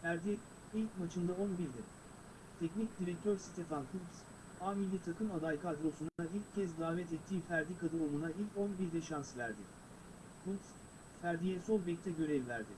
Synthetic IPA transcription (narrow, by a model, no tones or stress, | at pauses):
fæɾd̪ije | ilʲcmat͡ʃʰɯnd̪ao̞nbiɾd̪ɛ | t̪ʰɛcnicd̪iɾɛk̚t̪ʰøɾsi̥t̪ʰefankʰulps | aːmilʲːit̪ʰakɯmad̪ajkʰad̪ɾo̞sunailʲcʰːɛzd̪aːvɛt̪ɛt̪ʰːiːfæɾd̪ikʰad̪ɯolˠunailʲco̞nbiɾd̪ɛʃansvæ̰ɾd̪ɪ | kuls | fæɾd̪ijeso̞lˠbɛc̚t̪ʰɛɟø̞ɾɛvvæɾd̪ɪ